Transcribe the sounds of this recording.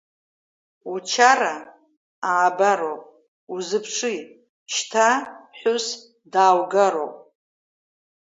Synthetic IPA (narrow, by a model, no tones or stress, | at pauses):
ut͡ʃʰara | aːbaɾowpʼ | uzɨpʰʂʰɨj | ʃtʰaħʷʊs | daːwɡaɾo̰wpʼ